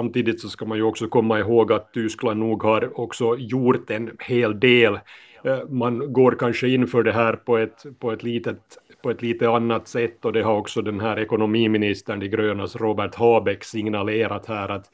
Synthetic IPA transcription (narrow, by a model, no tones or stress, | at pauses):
samt̪iːd̪ɪt̪sɔskɑmanjʉɔksɔkʰɔmːaɪɦoːɡat̪̚t̪ʏskland̪nuːɡhaɾɔksɔjuːɾt̪ɛnheːld̪eːl | manɡoːɾkanʂəɪnːfœːɖɛɦæːɾpʰɔɛt̪pʰɔɛt̪liːt̪ət̪ | pʰɔɛt̪liːt̪əanːat̪sɛt̪ːɔd̪ɛɦaɾɔksɔd̪ɛnɦæːɾɛkʊnʊmiːmɪnɪst̪əɳɪɡɾøːna̰sɾoːbæʈhɑːbɛksɪŋnaleːɾat̪hæːɾat̪